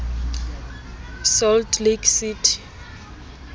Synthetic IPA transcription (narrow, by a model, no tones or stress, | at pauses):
sɔldliɡsitʰi̥